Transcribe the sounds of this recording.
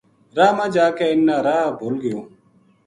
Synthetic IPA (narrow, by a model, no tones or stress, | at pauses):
ɾaːmãːd͡ʒaːkeːɪnːãːɾaːbʱoːlɡɪjoː